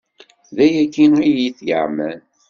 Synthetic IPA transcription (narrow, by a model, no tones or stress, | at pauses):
ðæjækːinijiθjə̰ʁmæn